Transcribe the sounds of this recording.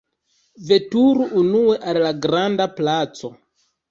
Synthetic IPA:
ve̞tuɾuʔːnue̞ʔallaɡɾandaplat͡so̞

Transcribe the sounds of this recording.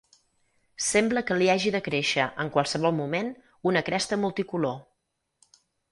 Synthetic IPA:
sɛmbləkəliaʒiðəkɾeʃəʔəŋkwəlˠsəβ̞ɔlˠmumen | unəkɾɛst̪əmulˠt̪ikulo

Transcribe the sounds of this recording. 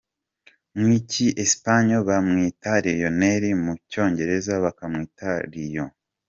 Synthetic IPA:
mwiciʔespaɲoβamŋiːtaɾijo̞neɾimuco̞ːɲɟe̞ɾe̞zaβakamŋiːtaɾijo

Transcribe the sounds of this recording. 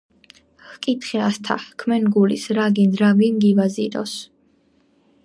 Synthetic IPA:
hkʼit̪ʰχɛast̪ʰa̰kʰmɛnɡulḭsɾaɡind̪ɾavinɡivaziɾɔ̰s

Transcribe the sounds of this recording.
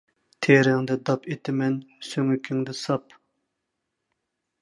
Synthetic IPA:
t̪ʰeɾɪŋd̪ɛd̪ɑpet̪ʰɪmɛnsøŋykʲʰyŋd̪ɪsɑp

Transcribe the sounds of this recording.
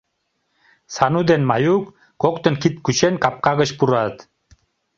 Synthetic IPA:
sanud̪enmajuk | kok̚t̪ənkʰit̪̚kuɕenkap̚qaɡəɕpuɾat̪

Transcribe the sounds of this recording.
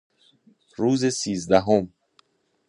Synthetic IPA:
ɾuːzesiːzd̪æɦom

